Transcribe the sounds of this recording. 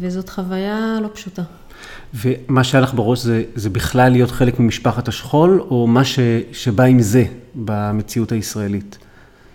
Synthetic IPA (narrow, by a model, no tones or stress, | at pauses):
vezo̞tχavajalo̞pʃuta | vemaʃealaχbeʁoʃzezebiχlalːijo̞tχe̞le̞kmimiʃpaχataʃχo̞lo̞maʃeʃe̞baimze̞bame̞t͡siutaisʁae̞lit